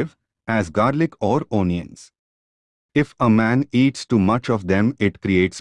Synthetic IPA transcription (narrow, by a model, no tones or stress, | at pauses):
ʋ | æzɡaːɾlɪkʰɔːɾoːniə̰̃ns | ɪfəmæ̃ːniːʈsʈumʌt͡ʃɔʋd̪ɛ̃mɪʈkɾieːʈs